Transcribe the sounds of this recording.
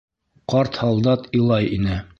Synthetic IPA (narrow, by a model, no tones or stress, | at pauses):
qɑɾt̪hɑlˠd̪ɑt̪ilˠɑjinɘ